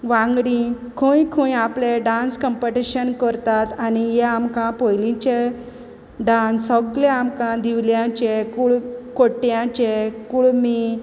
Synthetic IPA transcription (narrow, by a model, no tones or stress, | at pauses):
ʋãŋɡɽĩ | kʰõjkʰũjapleɖãnskəmpəʈiɕənkəɾt̪at̪anijɛamkãpojlĩt͡ɕe | ɖansɔkleamkãd̪iʋljãt͡ɕekuɭkoʈjãt͡ɕekuɭmi